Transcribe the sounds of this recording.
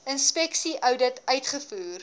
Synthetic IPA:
ənspɛksiʔœwdətœɥtχəfuːr

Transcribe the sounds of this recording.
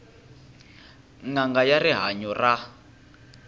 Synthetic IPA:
ŋaŋɡajariɦaɲɔra

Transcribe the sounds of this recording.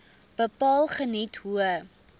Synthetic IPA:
b̥əpɑːlˠχənitɦuə

